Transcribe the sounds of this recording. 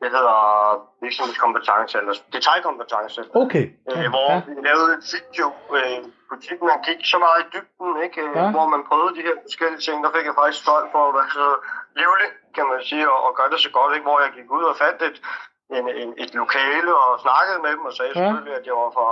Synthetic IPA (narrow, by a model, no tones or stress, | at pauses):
d̥eɦe̝ð̞̰ˠɐʋiɐɡ̥smhe̝̰̥skʰɒ̽mb̥ət͡sʰɑ̈ŋsəelɐsd̥et͡sʰɑ̈ɪkʰɒ̽mb̥ət͡sʰɑ̈ŋsəokʰeøʋɒʋilɛːʊð̩ˠedsʰi̥joøpʰot͡sʰid̥n̩mænɡ̥iɡ̥sɒ̽mɑ̈ːð̩ˠid̥yb̥̚d̥n̩e̝ɡ̥ʋɒmænpʰʁœːð̩ˠd̥iheɐ̰fɒ̽sɡ̥el̰iət͡sʰe̝ŋ̰d̥ɑ̈fe̝ɡ̥jɑ̈fɑ̈ɡ̥isɡ̥sɒ̽l̰̥fɒ̽ʋæsɒleʊleŋkʰæmænsiːɒ̽ʔːɡ̥ɶɐd̥e̝sɒ̽ɡ̥ɒ̽d̥e̝ɡ̥ʋɒ̰jɑ̈ɪɡ̥iɡ̥uð̰ˠɒ̽fæn̰d̥e̝d̥ | e̝nene̝d̥lo̝kʰɛːləɒ̽snɑ̈ɡ̥əð̞̩ˠmed̥em̩ɒ̽sɛːseføliæd̥eɑfɒ